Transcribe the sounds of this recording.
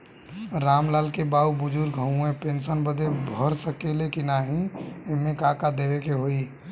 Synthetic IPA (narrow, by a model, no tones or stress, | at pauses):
ɾaːmlaːlkebaːubʊd͡ʒuɾɡʱəũẽpensənbəd̪ebʱəɾsəkelekinaɦĩeɦmẽkakad̪eʋekeɦoi